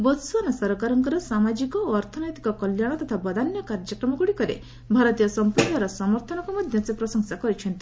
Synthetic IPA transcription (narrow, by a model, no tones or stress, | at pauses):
bɔt̪suanɔsɔɾɔkaɾɔŋkɔɾɔsamad͡ʒikɔoɔɾt̪ʰɔnɔjt̪ikɔkɔljaɽ̃ɔt̪ɔt̪ʰabɔd̪anjɔkaɾd͡ʒɔkɾɔmɔɡuɽikɔɾḛ | bʱaɾɔt̪ijɔsɔmpuɾnɔɾɔsɔmɔɾt̪ʰɔnɔkɔmɔd̪ʱjɔt͡sepɾɔsɔŋsakɔɾit͡ʃʰɔnt̪i